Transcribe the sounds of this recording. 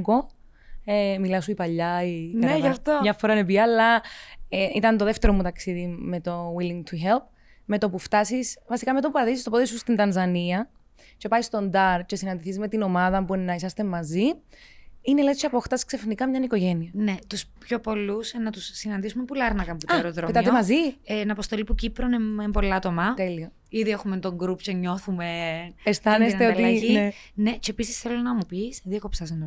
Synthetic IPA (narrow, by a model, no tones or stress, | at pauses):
ɡo | emilɐsuipɐʎːɐiknɐeʝɐft̪omɲɐfoɾɐnep̬iɐlːɐeit̪ɐnt̪oðe̞ft̪e̞ɾo̞mut̪ɐksiðime̞t̪o̞wilːiŋt̪ʰuçelp̚ | me̞t̪o̞puft̪ɐsisfɐsikɐmeo̞puɐðisist̪o̞poðisust̪int̪ɐnzɐniɐ | ce̞pɐist̪o̞nd̪ɐɾce̞sinɐnd̪iθizme̞t̪ino̞mɐðɐpuenːɐisɐst̪emːɐzi | inelet̪siɐpoxt̪ɐsksefnikɐmɲɐniko̞ʝe̞niɐnet̪uspço̞po̞lusnɐt̪usːinɐnd̪isumepulɐɾnɐkɐmputɐɾoðɾofemt̪ɐemɐzienɐpost̪o̞lipucipɾoneembo̞lɐt̪o̞mɐt̪e̞lio | iðiexument̪o̞ŋɡɾupceɲo̞θumeest̪ɐnest̪eot̪iinenecepisisθelonɐmupisðiɐkopsɐsn